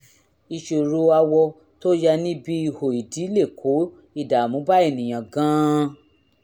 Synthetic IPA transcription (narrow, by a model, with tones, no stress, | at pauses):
i˧ʃo˨ɾo˨˧a˧wɔ˧ | to˦ja˧nĩ˦bi˦i˧ho˨i˨di˨˦le˦˨kʰo˨˦ | i˦˨da˨mũ˨˦ba˦e˦˨nĩ˨j̃ã˨ɡã˦